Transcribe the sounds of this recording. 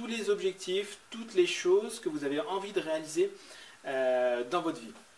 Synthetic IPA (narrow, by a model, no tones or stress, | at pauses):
t̪ulezɔbʒɛk̚t̪ʰift̪ut̪leʃozkəvuzaveʔɑ̃vid̪əʁealizeød̪ɑ̃vɔt̪χvi